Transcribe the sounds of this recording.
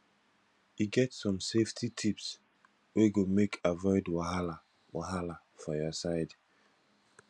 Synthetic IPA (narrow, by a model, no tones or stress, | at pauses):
iɡɛtsɔ̃mseftʰitʰips | weɡomekʰavɔɪdwahala | waɦala | fɔjɔsaɪd